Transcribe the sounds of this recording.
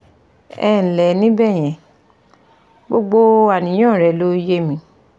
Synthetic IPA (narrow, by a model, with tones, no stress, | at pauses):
ɛ˦˨lɛ˨nĩ˦bɛ˦˨j̃ɛ̃˨ | ɡ͡bo˧ɡ͡bo˧a˨nĩ˨˦j̃ãː˦˨ɾɛ˨lo˦je˦mĩ˧˦